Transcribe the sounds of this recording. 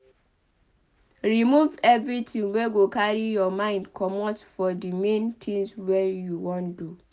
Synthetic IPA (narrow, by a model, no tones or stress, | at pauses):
ɹimuvɛvɹitĩŋwɛɡokaɹijɔmãɪ̃ndkʰɔmɔtfɔdimẽntʰĩŋswɛjuwɔ̃ndu